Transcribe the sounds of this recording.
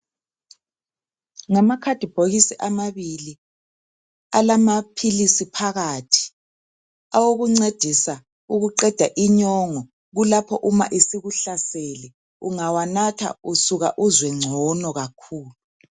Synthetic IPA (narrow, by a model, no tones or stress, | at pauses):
ŋamakʰad̥ʱib̥ʱoɣisiʔamaβili | alamapʰilisipʰaɣaːtʰi̥ | awoɣuŋ͡ǀed̥ʱisa | uɣuǃɛd̥ʱaʔiɲɔŋɔ | ɣulapʰɔʔuma̰ʔisiɣuɬasɛlɛ | ṵŋawanatʰa̰usuɣa̰ʔuzwɛŋ͡ǀʱɔnɔɣakʰuːlu